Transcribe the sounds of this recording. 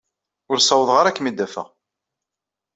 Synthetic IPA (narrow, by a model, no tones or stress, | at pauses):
ʊɾsˤɑwəðˤʁaɾækːmid̪æfæ̰ʁ